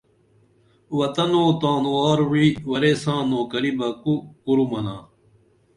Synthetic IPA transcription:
wɐt̪ɐnoːt̪ãːnuaːɾwiwɐɾeːsãːnoːkɐɾibɐkukuɾumɐnã̰ː

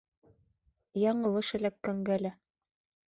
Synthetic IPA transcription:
jɑɴɤ̆lˠɤʃɘ̆lækːæŋɡælæ

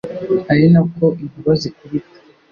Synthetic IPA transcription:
aɾinakoʔiβiβazikuβitḁ

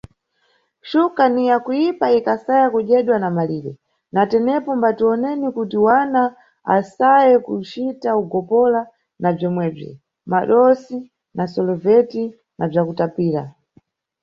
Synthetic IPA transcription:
ʃukanijakujipaikasajakuʄɛɗwanamaliːɗɛ | natɛnɛpɔmbatuɔnɛnikutiwana | a̰sajɛkut͡ʃitauɡɔpɔla | nab͡ʐɔmwɛb͡ʐḭ | maɗɔsi | nasɔlɔvɛti | nab͡ʐakutapiːɾa̰

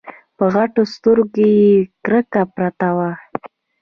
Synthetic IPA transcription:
pəɣaʈost̪əɾɡejekɾəkapɾat̪awa

